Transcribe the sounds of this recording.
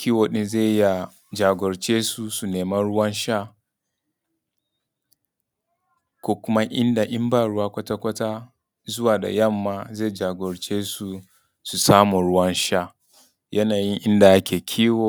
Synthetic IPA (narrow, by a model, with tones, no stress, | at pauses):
kʲiː˦woː˨ɗɪ˦nze˦˨˦ja˨ | d͡ʒaː˨ɡʷɔ˨ɾt͡ʃeː˦su˨su˨neː˨mɐ˦nɽʊ˦wɐ˦nʃa˦˨ | kʷo˦kʊ˦ma˦ʔɪ˦nda˨ʔɪ˦mbaː˦˨ɽʊ˦waː˦kʷɐ˦ta˦kʷɐ˦taː˦ | zʊ˦waː˨da̰˨jɐ˦˨mːaː˨ze˦˨d͡ʒaː˨ɡʷɔ˨ɾt͡ʃeː˦su˨ | su˨saː˦mu˨ɽʊ˦wɐ˦nʃa˦˨ | jɐ˦naː˨ji˦ŋʔɪ˦nda˨ja˦kʲʰeː˨kʲʰiː˦woː˨